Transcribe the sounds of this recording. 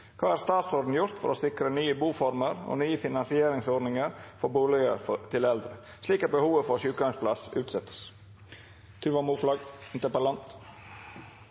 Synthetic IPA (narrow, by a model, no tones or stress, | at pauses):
kʰɑːæːɾst̪ɑːt̪sɔd̪n̩jʊɾt̪fɔ̰ɾoːsɪkɾənyːəbuːfɔɾməɾo̰nyːəfɪnɑnsɪeːɾɪŋsɔːɖnɪŋəɾfɔɾbuːlɪɡə̰ɾft̪ʰɪlɛld̪ɾə | sliːkɑt̪̚bəhuːʋəfɔɾʃʉːkɡɑŋspʰlɑ̰sʉ̰ːt̪sɛt̪ːə̥s | t̪ʰʉʋɑmuːflɑːɡɪnt̪əpəlɑnt̪